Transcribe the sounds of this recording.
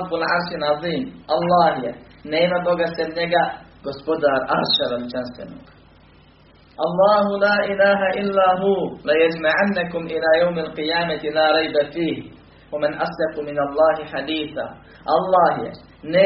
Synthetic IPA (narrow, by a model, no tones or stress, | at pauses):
bːalʕɑɾˤʃɪnʕɑðˤiːmʔɑlˤːɑːhɪja̰ | neːnad̪ˤoɡasanːaɡaɡ̥ʊsbʊd̪ɑɾˤʔɑ̰ɾʃɑɾˤald͡ʒansa̰nʊk | ʔɑlˤːɑːɦʊlaːʔɪlaːɦaʔɪlːaːɦuːlajad͡ʒmaʕanːakʊmʔɪlaːjawmalqɨjaːmat̪ɪlaːɾˤɑjbafiːh | wamɪnʔasˤlɑfmɪnɑlˤːɑːɦɪħad̪iːθa̰ː | ʔɑlˤːɑːhja̰ | ne